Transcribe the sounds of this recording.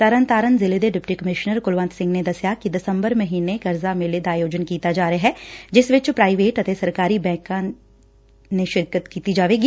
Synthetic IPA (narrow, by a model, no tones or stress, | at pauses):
səɾənt̪aːɾənzɪled̪eɖɪpʈiːkəmɪʃnəɾkʊlʋə̃nt̪sɪ̃ŋɡned̪əsjakid̪ɪsəmbəɾməɦiːnekəɾzamɪled̪aːjoːd͡ʒənkiːt̪ad͡ʒaːɾəaɦɛːd͡ʒɪsʋɪt͡ʃpɾaːiʋeːʈət̪esəɾkaːɾiːbɛ̃ːkãː | neʃɪɾkət̪kiːt̪id͡ʒaːʋeːɡiː